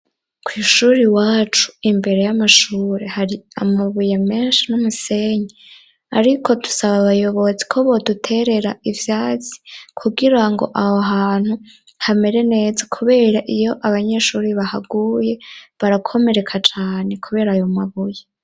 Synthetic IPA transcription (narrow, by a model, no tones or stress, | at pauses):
kʰwiːʃuɾiwaːt͡ʃu̥imbe̞ɾe̞jamaʃuːɾe̞haɾia̰maβujeme̞ːnʃinumuse̞ɲi | aɾikʰo̞du̥saβaβajo̞βo̞zikʰoβo̞dutʰe̞ɾe̞ɾaivjaːt͡si̥kʰuɡiɾaŋɡo̞̰ʔahoɦaːn̥hu | hame̞ɾe̞ne̞ːzakʰuβe̞ːɾaʔijo̞ʔaβaɲeʃuːɾiβaha̰ɡuːje̞βaɾakʰo̞me̞ɾe̞kʰat͡ʃaːne̞kʰuβe̞ːɾaːjomaβuje